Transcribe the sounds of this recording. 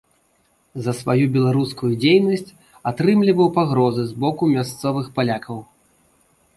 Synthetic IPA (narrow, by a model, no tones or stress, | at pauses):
zɐsvajubʲɛlˠaɾuskujud͡zʲejnɐsʲt͡sʲ | at̪ɾɨmlʲivɐwpaɣɾɔzɨzbɔkumʲast̪sɔvɨxpalʲakʰɐw